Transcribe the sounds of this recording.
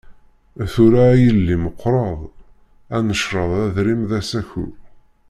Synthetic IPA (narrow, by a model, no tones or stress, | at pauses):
θuɾajəlːiməqːɾˤɑðˤ | ænəʃɾˤəðˤæðɾimðæsæçṵ